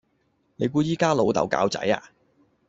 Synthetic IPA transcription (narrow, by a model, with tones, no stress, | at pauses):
ne˨˧jkuː˧jiː˥kaː˥lo˨˧wt̪ɐ̰˨˩wka̰ː˧˥wt͡sɐ̰˨˥ja̰ː˧